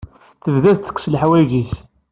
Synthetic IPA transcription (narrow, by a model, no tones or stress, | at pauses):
θəvðæðə̥kʷːslħwæʝis